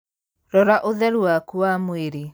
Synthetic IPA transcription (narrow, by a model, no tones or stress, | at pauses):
ɾɔɾaʔoðɛɾwakuamweɾi